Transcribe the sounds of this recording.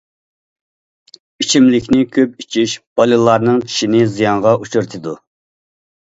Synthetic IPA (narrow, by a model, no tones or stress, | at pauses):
it͡ʃʰimlɪkʲnɪkʲʰøp̚it͡ʃʰiʃb̥ɑlˠɨlˠɑɾnɨŋt͡ʃʰi̥ʃinɪzijɑɴʁɑʔut͡ʃʰuɾt̪ʰɨd̪u